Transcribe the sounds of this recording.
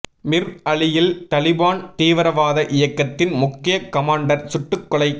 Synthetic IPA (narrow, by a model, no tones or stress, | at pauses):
mɪɾɐɭɪjɪlt̪ɐlɪbaːnt̪iːʋɐɾɐʋaːðɐʔɪjɐkːɐt̪ːɪnmʊkːɪjɐkɐmaːɳɖɐɾsʊʈːɯkːɔɭɐɪ